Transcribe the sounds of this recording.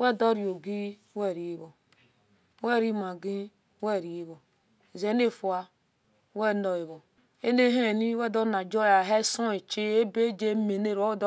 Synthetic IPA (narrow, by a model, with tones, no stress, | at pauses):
wɛ˦˨do˦ɾi˨o˨ɡi˦wɛ˦˨ɾi˨i˦βo˨ | wɛ˦˨ɾi˦ma˨ɡi˦ | wɛ˦˨ɾi˨˦βo˨ | ze˨˦ne˦˨fu˨a˨ | wɛ˦˨no˨i˨βo˨ | e˦ne˦ɦe˦˨ni˦wɛ˦˨do˦na˨d͡ʒo˦a˨ɦe˦so˦e˨t͡ʃe˦e˦be˦d͡ʒe˦me˨ne˦ɾo˦d